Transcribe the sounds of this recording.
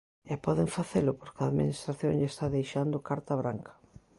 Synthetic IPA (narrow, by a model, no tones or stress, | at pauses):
ɛpɔðeŋfaθelʊpoɾkaðmḭnist̪ɾaθjoŋʎaest̪aðejʃand̪ʊkaɾt̪aβɾaŋkʰɐ̥